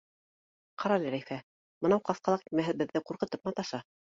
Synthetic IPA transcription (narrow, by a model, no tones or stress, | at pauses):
qʰɑɾɑlʲɘɾæjfæ | mɤ̆nɑwqɑθqɑlˠɑqimæɦɘðbɘ̆ðːɘquɾqɤ̆t̪ɤp̚mɑt̪ɑʃɑ